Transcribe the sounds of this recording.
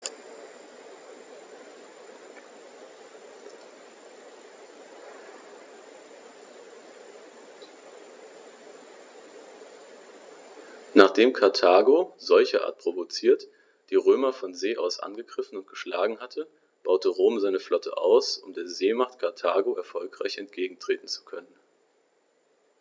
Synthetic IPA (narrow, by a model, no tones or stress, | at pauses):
naːχd̥eːmkʰaɐtʰaːɡozɔlçɐʔa̰ɐt̚pʁ̥ovot͡siːɐt | d̥iːʁøːmɐfɔnzeːʔaʊsʔa̰nɡəɡʁɪfn̩ʊntɡ̥əʃla̰ːɡŋ̩ɦatʰə | b̥aʊtəʁoːmzaɪnəflɔtʰə̰ʔa̰ʊsʊmdeːɐzeːmaχtkʰaɐtʰaːɡoɛɐfɔlkʁ̥aɪçɛntɡ̥eːɡŋ̩tʁ̥eːtn̩t͡su̥kʰœnən